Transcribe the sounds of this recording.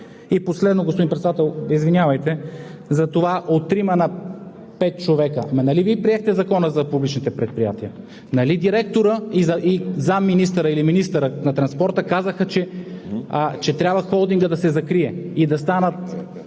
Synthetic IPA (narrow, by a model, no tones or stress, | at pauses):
iposlɛd̪noɡospod̪inmpɾɛt̪sɛd̪at̪ɛlˠizvinʲjavəjt̪ɛzɐt̪ovaʔot̪ːɾimənɐ | pɛt̪̚t͡ʃovɛkəmɐnɐlivipɾiɛxt̪ɛzɐkɔnəzɐpublit͡ʃnit̪ɛpɾɛt̪̚pɾija̰t̪iə | nɐlid̪iɾɛk̚t̪oɾəizɐizamːinis̬t̪əɾəiliminist̪əɾənɐt̪ɾɐnspɔɾt̪əkazəxət͡ʃɛ | t͡ʃɛt̪ɾʲabvəxɔlˠd̪iŋɡəd̪ɐsɛzɐkɾiɛid̪ɐst̪anət̪̚